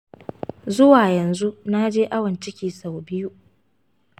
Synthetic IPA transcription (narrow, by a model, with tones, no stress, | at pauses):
zʊ˦waː˨jɐ˨nzu˦na˦d͡ʒeː˦ʔa˦wɐ˨nt͡ʃɪ˦kʲiː˨sa˨wbɪ˦ju˦